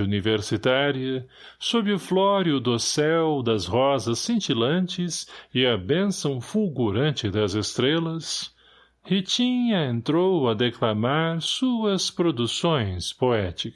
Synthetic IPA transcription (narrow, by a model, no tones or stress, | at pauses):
univeɾsit̪aɾiɐ | sobɪʊflɔɾjʊd̪ʊsɛwd̪ɐzhɔzɐsĩnt͡ʃilɐ̃nt͡ʃɪzɪɐbẽsɐ̃w̃fulɡuɾɐ̃nt͡ʃɪd̪ɐzest̪ɾelɐs | hit͡ʃĩɲɐẽnt̪ɾowɐd̪eklamaɾsuɐspɾod̪usõj̃spoɛt͡ʃik